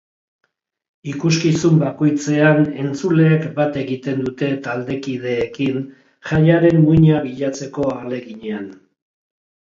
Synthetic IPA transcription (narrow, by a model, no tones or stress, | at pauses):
ikuskisumbako̞jt͡se̞ane̞nt͡sule̞ːkbat̪e̞ɣit̪e̞nd̪ut̪e̞t̪ald̪e̞kið̞e̞ːkin | ʝaʎaɾe̞mmuɲaβiʎat͡se̞ko̞ale̞ɣiɲe̞an